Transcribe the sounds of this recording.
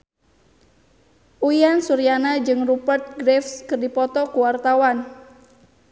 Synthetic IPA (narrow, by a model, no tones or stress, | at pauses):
ʔuiansuɾianad͡ʒɨŋrupərt̪̚ɡɾɛfskɨrdipɔt̪ɔkuwart̪awan